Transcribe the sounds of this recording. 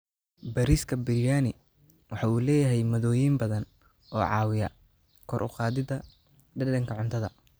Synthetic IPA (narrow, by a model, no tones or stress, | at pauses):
bɐɾiskʰɐbɪljaːnɪ | wɑħɑuːlɛːjɐɦɛjmɐðɔːjimbɐðɐn | ʔɔːʕɑ̰ːwɪjɐ̰ | kʰɔɾʔʊ̰qɑːðɪðɐ | ɖɐɖɐŋkʰɐʕʊnt̪ʰɐðɐ̰